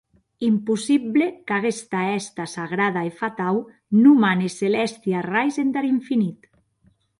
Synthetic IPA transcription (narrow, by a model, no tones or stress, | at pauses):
impusiβlekaɣest̪aɛst̪asaɣɾaðaefat̪aw | numaneselɛst̪jarajzend̪aɾiɱfinit̪